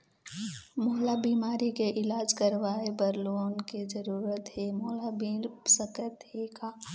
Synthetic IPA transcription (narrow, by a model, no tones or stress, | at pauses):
moɦlabiːmaːɾikeʔɪlaːd͡ʒkəɾʋaːebɐɾloːnkezɐɾuːɾət̪ɦemoːlabiːlpsəkət̪ɦeːkaː